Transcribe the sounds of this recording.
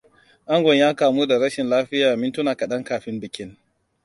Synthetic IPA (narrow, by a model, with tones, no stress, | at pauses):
ʔa˦ŋɡʷɔ˨ɲjaː˦kaː˨muː˦da˨ɾɐ˦ʃɪ˨nlaː˦ɸɪ˦jaː˨mɪ˦ntʊ˦naː˨kɐ˨ɗɐ˦ŋkaː˨ɸɪ˦mbɪ˨kʲɪ˦n